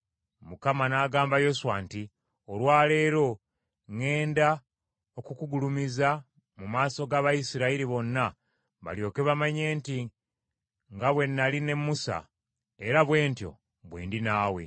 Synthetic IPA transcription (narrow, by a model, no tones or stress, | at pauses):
mukamanaːɡaːmbajo̞suwanti | olwaːle̞ːɾo̞ | ŋe̞ːnda | o̞kukuɡulumiza | mumaːso̞ɡaβajisiɾaiɾiβo̞nːa | βa̰ljo̞ːke̞βamaɲe̞ːnti | ŋɡaβwe̞nːaline̞mːusa̰ | e̞ɾaβwe̞ːntjo̞̰ | βwḛːndinaːwe̞̰